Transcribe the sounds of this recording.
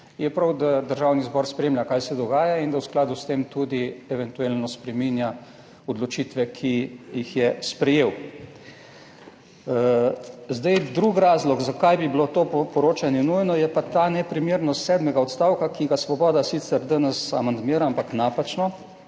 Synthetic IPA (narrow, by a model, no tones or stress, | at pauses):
jɛpɾawd̪ad̪əɾʒawnizbɔːɾspɾeːmljakajsɛd̪ɔɡaːjaind̪awsklaːd̪ust̪emt̪ud̪iɛʋɛnt̪uelnɔspɾɛminja | ɔd̪lɔt͡ʃit̪ʋɛkʰijixjɛspɾɛjew | zd̪ɛjd̪ɾuːkɾaːzlɔɡzakajbibilot̪oːpɔɾoːt͡ʃanjɛnujnɔjɛpat̪aːnɛpɾimjeɾnɔst̪sɛːd̪mɛɡaɔt̪st̪awkakiɡasʋɔbɔːd̪asit̪sɛɾd̪ənəsa̰mand̪miːɾaampaknaːpat͡ʃnɔ